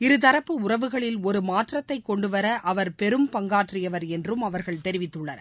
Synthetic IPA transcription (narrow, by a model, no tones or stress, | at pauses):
ɪɾɯt̪ɐɾɐpːɯʊrɐʋɯɣɐɭɪlɔɾɯmaːʈrɐt̪ːɐɪkːɔɳɖɯʋɐɾɐʔɐʋɐɾpɛɾɯmpɐŋɡaːʈrɪjɐʋɐɾɛndrɯmɐʋɐɾɣɐɭt̪ɛɾɪʋɪt̪ːɯɭːɐnɐ̰